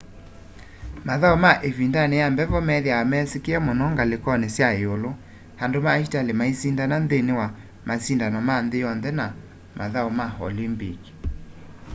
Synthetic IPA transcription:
maðaomaʔefindaneambɛvɔmɛðjaamɛsekeɛmonɔŋɡalekɔnesjaeolo | handomaitalemaisindananðenewa | masindanɔmanðejɔnðɛna | mʔa̰ðaomahɔ̰limbik

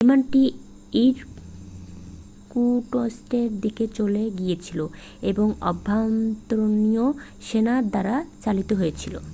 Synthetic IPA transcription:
emanʈi | iɾ | kuʈosʈeɾd̪iket͡ɕoleɡijet͡ɕʰilo | eboŋɔbʱːamt̪ɾonio | ʃenad̪aɾat͡ɕalit̪oɦoet͡ɕʰilo̰

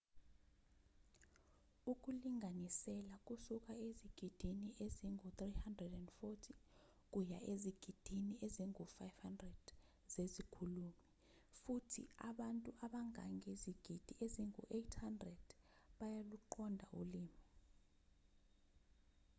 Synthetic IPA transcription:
uk̬ʼuliŋʱanisɛlak̬ʼusuk̬ʼaeziɡ̥ʱid̥ʱiniʔeziŋut̪rihandrɛdɛndfotʰi | k̬ʼuja̰ʔeziɡ̥ʱid̥ʱinieziŋufajfhandrɛd̥ | zezikʰulumi | futʰḭaɓantʼuʔaɓaŋa̰ŋʱeziɡ̥ʱid̥ʱieziŋṵʔetʰhandrɛd̥ | ɓajaluǃʰɔndʱa̰ṵliːmi

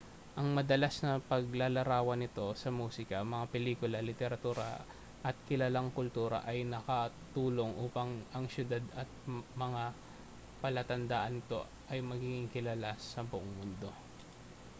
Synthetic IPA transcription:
ʔɐŋmɐd̪ɐlasnɐpɐɡlalɐɾaːwɐnɪt̪o̞sɐmuːsɪkɐmɐŋapɛliːkʊlɐlɪt̪ɛɾɐt̪uːɾɐ̰ | ʔɐt̪̚kɪlalaŋkʊlt̪uːɾɐ̰ʔɐjnɐkɐ | t̪uːlo̞ŋʔuːpɐŋʔɐŋsjʊd̪ad̪ɐt̪̚mɐŋa | pɐlat̪ɐnd̪aːʔɐnɪt̪o̞ | ʔɐjmɐɡiːɡɪŋkɪlalasɐbʊʔoŋmʊnd̪o̞

